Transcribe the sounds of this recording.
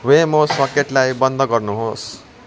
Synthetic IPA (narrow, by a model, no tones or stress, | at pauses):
wemoswʌkeʈlajbʌnd̪ʱʌɡʌrnuɦos